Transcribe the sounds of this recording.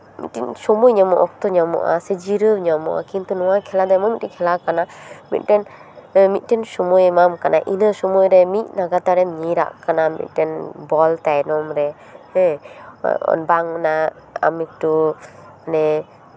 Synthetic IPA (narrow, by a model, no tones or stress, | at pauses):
mḭt̪̚tɛnsɔmujɲamɔʔɔk̚t̪ɔɲamɔ̰ʔa̰sed͡ʒiɾɯɲamɔ̰ʔa̰kimt̪unɔwakʰɛlad̪ɔjmɔjmit̚ɾɛkʰɛlakanamḭt̪̚ʈɛn | mit̪̚ˀtɛnsɔmujmamkanaʔinəsɔmujɾɛmit̪̚naɡat̪aɾɛmɲiɾa̰ʔkanamḭt̪̚ˀtɛnbɔlt̪ajnɔmɾɛ | hɛ | ɔ̰nbaŋna | a̰mik̚tɔ | nɛ